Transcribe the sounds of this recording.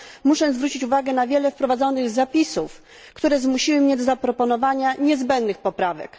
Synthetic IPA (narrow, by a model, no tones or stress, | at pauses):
muʂɛzvɾut͡ɕit͡ɕuvaɡɛnavʲjɛlɛfpɾɔvad̪zɔnɘɣzapʲisuf | kt̪uɾɛzmuɕiwɘmɲɛd̪ɔzapɾɔpɔnɔvaɲaɲɛzbɛnd̪nɘxpɔpɾavɛ̰k